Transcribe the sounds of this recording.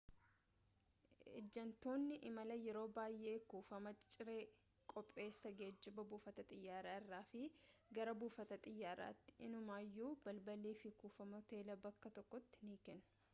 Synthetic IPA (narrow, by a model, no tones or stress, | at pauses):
ʔɛ̰d͡ʒːɐnt̪o̞ːnːɪʔɪmɐlɐjɛɾo̞ːbaːjːʔe̞ːkuːfɐmɐt͡ʃʼɪɾe̞ː | kʼɔpʼːe̞ːsːɐɡe̞ːd͡ʒːɪbɐbuːfɐt̪ɐt̪ʼɪjːaːɾaːɪrːaːfɪɡɐɾɐbuːfɐt̪ɐt̪ʼɪjːaːɾa̰ːt̪ːɪ̥ɪnʊmaːjːuːb̥ɐlbɐliːfɪkuːfɐmɐt̪eːlɐbɐkːɐt̪ɔkːɔt̪ːɪ̥niːkɛnʊ̥